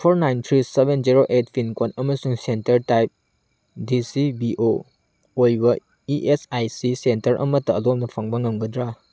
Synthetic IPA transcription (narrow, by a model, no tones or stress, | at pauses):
pʰoɾnajnt̪ʰɾisebʱenziɾoʔet̚pʰinkonɐmɐsuŋsentɐɾtajp̚ | disibiʔo | ojbɐ | iʔesajsisentɐɾʔɐ̰mɐtɐːlomnɐpʰaŋbaŋɐmɡɐd̪ɾa